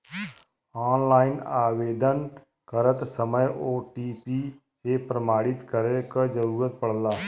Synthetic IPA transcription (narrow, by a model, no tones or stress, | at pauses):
aːnlaːɪnaːweːd̪ən | kəɾət̪səməjoːʈiːpi | sepɾəmaːɽɪt̪kəɾekəd͡ʒəɾuːɾət̪̚pəɽ̤laː